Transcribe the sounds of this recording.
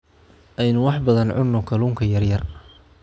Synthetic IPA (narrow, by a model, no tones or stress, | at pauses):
ʔɛjnʊwɑħbɐðɐnʕʊ̰nːɔkʰɐluːŋkʰɐjɐrjɐr